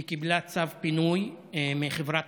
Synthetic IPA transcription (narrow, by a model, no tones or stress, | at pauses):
kiblat͡savpinuj | meχevʁa